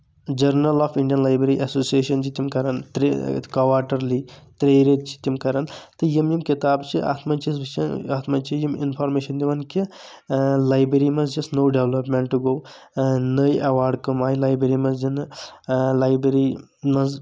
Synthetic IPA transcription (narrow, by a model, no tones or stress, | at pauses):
d͡ʒɐɾnɐlɔːfʰiɳɖijɐnlaːjbɾeɾiʔɐsoːsieːʃɐnt͡ʃit̪imkɐɾɐnt̪ɾekɐʋaːɾʈɐɾlit̪ɾeːɾet̪t͡ʃi̥t̪imkɐɾɐnt̪ɨjimjimkit̪aːbt͡ʃʰiʔa̰ːt̪ʰmɐnt͡ʃisbt͡ʃʰɐaːt̪ʰmɐnt͡ʃʰijimḭnpʰɔːɾmeːʃɐnd̪iʋɐnki | laːjbɾɐɾimɐnzd͡ʒɐsnoːɖeʋlɐpmeɳʈːuɡoːw | nəjʔɐʋaːɾɖkɐmaːjlaːjbɾeɾimɐnzd͡ʒɐn | laːjbɾɐɾimɐz